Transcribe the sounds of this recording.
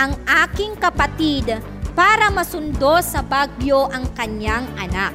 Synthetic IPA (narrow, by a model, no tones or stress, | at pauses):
ʔɐŋʔaːkɪŋkɐpɐt̪id̪ | paːɾɐmɐsʊnd̪o̞sɐbaɡjo̞ʔɐŋkɐɲjaŋʔɐnak